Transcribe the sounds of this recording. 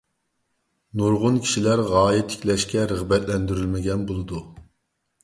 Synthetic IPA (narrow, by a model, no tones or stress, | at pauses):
nuɾʁʊnkʲʰi̥ʃilæɾʁɑːjɛt̪ʰɪ̥kʲlɛʃkʲɛɾəʁbɛt̪lɛnd̪yɾylmɪɡʲɛnbolˠɨd̪u